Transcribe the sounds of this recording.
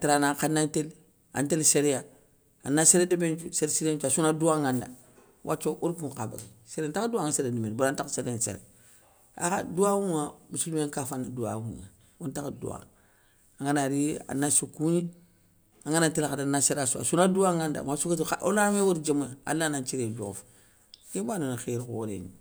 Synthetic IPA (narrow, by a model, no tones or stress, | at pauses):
tiɾanakanantel | a̰ntelseɾeja | a̰naseɾedebent͡ʃuseɾsiɾet͡ʃuasunaduaŋanda̰ | wʔa̰t͡ʃːoʔuɾkuka̰ba̰ɡi | seɾentakduaŋaseɾedimenbuɾantakseɾesḛɾḛ | a̰ka̰duwawuŋamusulumeŋkafanːaduwa̰wṵŋa̰ | wontakdṵa̰ | aŋanaɾia̰nasukuɲi | aŋanantilaxadanaseɾasua̰sunaduwaŋanda̰masukataʔo̰lamewoɾd͡ʒemujaa̰lːanat͡ʃiɾed͡ʒo̰f | kebanonaxeɾkwo̰ɾḛnḭ